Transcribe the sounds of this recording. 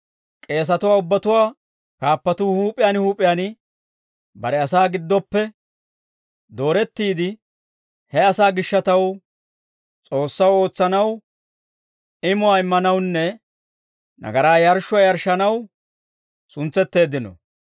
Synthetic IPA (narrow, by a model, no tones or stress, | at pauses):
kʼe̞ːs̬ɐt̪ʊwaːʊbːɐt̪ʊwaː | kaːpːɐt̪uːhuːpʼɪjaːnhuːpʼɪjaːnɪ | bɐɾɛɐsaːɡɪd̪ːɔpːɛ | d̪o̞ːɾɛt̪ːiːd̪ɪ | hɛɐsaːɡɪʃːɐt̪ɐw | t͡sʼo̞ːsːɐwo̞ːt͡sːɐnɐw | ɪmʊwaːɪmːɐnɐwnːɛ | nʔɐ̰ɡɐɾaːjɐɾʃʊwaːjɐɾʃɐnɐw | sʊnt͡sːɛt̪ːe̞ːd̪ɪnɔ̰